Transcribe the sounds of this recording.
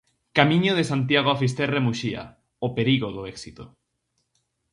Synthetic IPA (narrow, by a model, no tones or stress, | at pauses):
kamĩɲoð̞esant̪jaɣ̞oafis̬t̪eremuʃia̰ | opeɾiɣoðoɛksit̪o